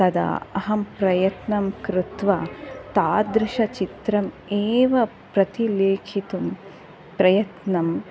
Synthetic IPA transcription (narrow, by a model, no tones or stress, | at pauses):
t̪ɐd̪ɐ̰ɐ̰ɦɐmpɾɐjɐt̪nɐmkɾɪt̪ʋɐ̰t̪aːd̪ɾɪʃɐt͡ʃit̪ɾɐm | eːʋɐ | pɾɐt̪ileːkʰit̪um | pɾɐjɐt̪nɐm